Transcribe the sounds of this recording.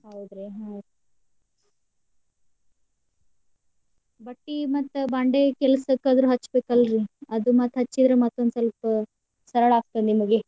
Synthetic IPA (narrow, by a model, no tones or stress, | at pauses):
ɦɐwd̪ɾeɦɐw̪ | bɐʈːimɐt̪ːbaːɳɖekɛlɐsɐkːad̪ɾuɦɐt͡ʃːbeːkɐlɾiɐd̪umɐt̪ɦɐt͡ʃːid̪ɾemɐt̪ːond̪sɐlpɐ | sɐɾɐɭaːkt̪ɐnnimɐɡe